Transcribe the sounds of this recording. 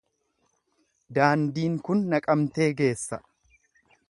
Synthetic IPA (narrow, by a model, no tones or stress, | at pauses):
d̪aːnd̪iːŋkʊnːɐkʼɐmt̪e̞ːɡe̞ːsːɐ